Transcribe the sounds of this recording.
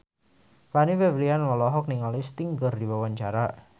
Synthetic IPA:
waniwɛwlianwɔlɔɦɔk̚niŋalist̪iŋɡərdiwawaɲt͡ʃaɾa

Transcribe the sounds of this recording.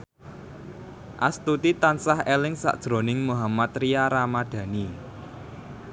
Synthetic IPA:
ʔa̰st̪ut̪it̪ansahelɪŋsa̰ʔd̥ʒ̥ɾonɪŋmuɦamat̪rijaɾamad̪̥ä̤ni

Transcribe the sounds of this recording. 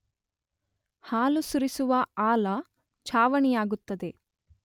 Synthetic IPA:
haːlusuɾisuʋɐaːlɐ | t͡ʃʰaːʋɐɳijaːɡut̪ːɐd̪e̞

